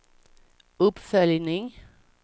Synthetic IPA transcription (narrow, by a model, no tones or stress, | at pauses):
ɵpfœljnɪŋ